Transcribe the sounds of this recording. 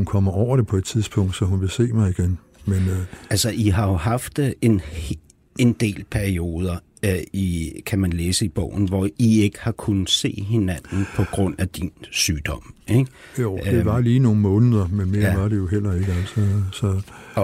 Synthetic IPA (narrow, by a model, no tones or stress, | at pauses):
unkʰɒ̽m̰ɐɒʊ̰ɐɾ̥epʰɒ̽e̝d̥̚t͡sʰiðˠsb̥ʰɔ̽ŋ̰d̥sɒ̽hunʋe̝se̝̰ːmɑ̈ɪiɡ̥en | menælsɐʔiɦɑ̈jo̝ɦɑ̈fd̥e̝n | e̝nd̥e̝̰ːlpʰæɐio̝ːð̞ˠɐ | ikʰæmænleːsəib̥ɔ̰ʊ̰n̩ʋɒie̝ɡ̥əhɑ̈kʰunse̝̰ːɦe̝næn̰n̩pʰɒ̽ɡ̥ʁɔ̽n̰æd̥insyːd̥ɒ̽m̰eɡ̥jo̰̥e̝ʋɑ̈liːno̝ːn̩mɔ̽ːnəðˠɐmenme̝ːɐʋɑ̈ɾe̝jo̝ɦel̰ɐe̝ɡ̥əælsɒsɒ̽